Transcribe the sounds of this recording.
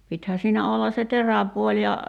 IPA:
pithæː siːnæ olːɑ se teræpuolʲ jɑ

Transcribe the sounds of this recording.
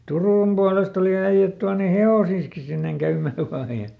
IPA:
turuˑm b̥uɑlest oli æij̆æt tuɑne heosiːski sinːeŋ kæymˑæː ʋɑː jɑ

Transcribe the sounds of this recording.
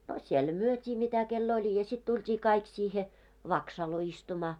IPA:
ɑ siel myøtʲiː mitæ kelː olʲ jɑ sit tultʲiː kɑik siːhe ʋɑksɑlo istumɑː

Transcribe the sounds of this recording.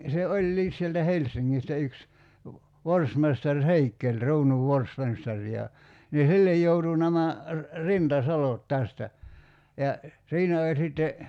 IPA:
se olʲːiːs sieltæ helsˑiŋːistæ yks ʋorsmestɑr heikːelʲ ruːnuʋ ʋorsmestɑr jɑ ni silːej joutu næmæ rintɑsɑlot tæstæ jɑ siːnæ olʲ sitːe

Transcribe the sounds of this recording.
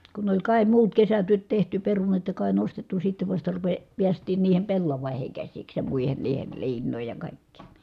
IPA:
kun olʲ kɑˑi muːt kesætyøt tehty perunɑt jɑ kɑˑi nostetːu sitːeʋ ʋɑstɑ ruʋe piæstˑiːn niːhem pelːɑʋɑˑiheŋ kæsiks jɑ muˑihen niːhel liːnˑoˑij jɑ kɑˑikːiːn̞

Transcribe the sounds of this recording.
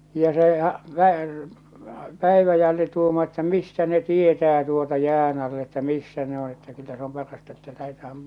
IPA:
jɑ se hɑ pæ pˑæiʋæjælːi tuːmɑː etːæ mistæ ne tietæː tuotɑ jæːn ɑlː etːæ misːæ ne on̞ etːæ kylːæ se om pɑrɑstɑ etːæ læhetæhæm

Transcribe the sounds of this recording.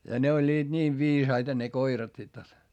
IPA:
jɑ ne olʲːiːd̥ niːʋ ʋiːsɑitɑ ne koirɑt sit jot

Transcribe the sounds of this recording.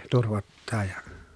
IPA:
turʋotːɑː jɑ

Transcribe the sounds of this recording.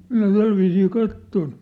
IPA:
minæ tælʋiːsiː kɑtːon

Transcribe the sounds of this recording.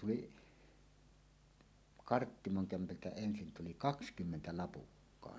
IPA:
tuli kɑrtːimoŋ kæmpæltæ ensin tuli kɑkskymːentæ lɑpukːɑːn

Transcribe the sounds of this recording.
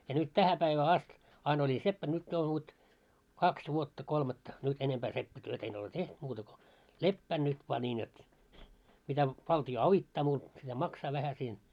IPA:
jɑ nyt tæhæ pæiʋæː ɑst ɑin olʲi sepːæn nyt jo ʋot kɑks ʋuotːɑ kolmɑtːɑ nyt enempæː sepːætyøtæ̆ en ole teht muːtɑ ko lepːæːn nyt ʋoɑ nʲiːn jot mitæ ʋɑltio ɑʋitːɑː muːt mitæ mɑksɑː ʋæhæ siːn

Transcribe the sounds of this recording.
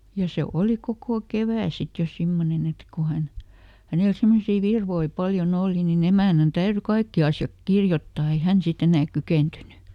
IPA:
jɑ se oˑli kokoˑ keʋæˑ sit jo simːonen et ko hæn hænel simːosiː ʋirʋoi pɑljon oˑli nin emæˑnæn tæyry kɑikːi ɑsjɑk kirjotːɑː ei hæn sit enæːk kykeˑntyny

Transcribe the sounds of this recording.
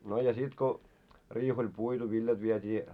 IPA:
no jɑ sit ko riːh olʲ puitu ʋiljɑt ʋietʲiː

